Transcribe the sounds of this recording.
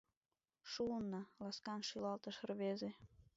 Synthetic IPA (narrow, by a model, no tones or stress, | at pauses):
ʃunːɑlɑskɑnʃilɑlt̪ə̆ʃərβeze